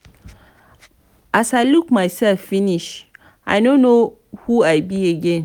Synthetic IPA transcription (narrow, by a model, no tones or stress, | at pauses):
ʔasalukmajsɛlfːiniʃ | ʔa̰jnõnːo | huajbiaɡɛ̃n